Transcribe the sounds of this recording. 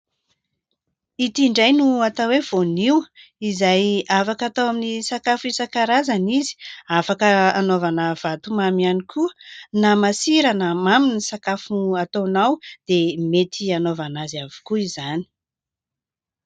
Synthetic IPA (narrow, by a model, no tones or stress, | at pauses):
it̪iɳɖ͡ʐajnuat̪awev̥oniwizajafakat̪awaminisakafisakaɾazanizi̥afakəanovanəv̥at̪umamianikʰuənamasiɾanəmaminisakafuat̪ownawd̪̥emet̪ʰianovanazavi̥kuizani̥